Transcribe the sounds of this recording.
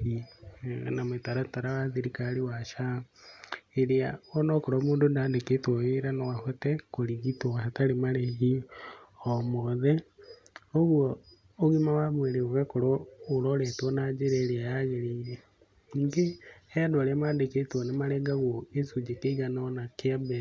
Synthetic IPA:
ḭ | nametaɾataɾawaðeɾikaɾiwaʃa | eɾeaonokoɾomuːndondaːndeketwoeɾanowahotekoɾiɣitoaataɾemaɾehi | omoðe | oɣwɔː | ɣimawamweɾeoɣakoɾoːɾoɾɛtwɔnad͡ʒeɾeːɾeajaɣeɾiiɾe | niːŋɡehedoɾamaːndeketwonemaɾɛɡaɣoesud͡ʒekeiɣananakeabe

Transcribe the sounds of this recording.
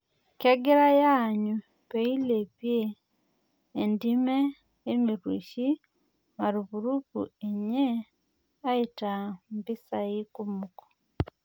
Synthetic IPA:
keɡeɾajaɲu | peilepje | ndimeː | miɾwṵʃi | maɾiβuɾupṵeɲe | aitambisaikumuko̥

